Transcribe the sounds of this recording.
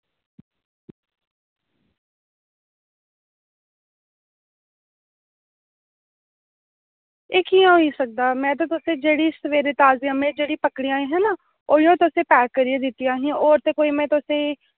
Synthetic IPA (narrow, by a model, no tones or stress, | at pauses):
eːkiːãɦoiːsək̚d̪aːmɛ̃ːt̪̬ãːt̪ʊsẽːd͡ʒeːɽiːsəʋeːɾeːt̪aːzɪjãːmẽːd͡ʒeːɽiːpəkɽiːãːĩːɦɛ̃ːnaː | oːjõːt̪ʊsẽːpɛːɾəɾiẽd̪ɪt̪ːijãːɦĩːoːɾt̪eːkoːiːmɛ̃ːt̪ʊsẽː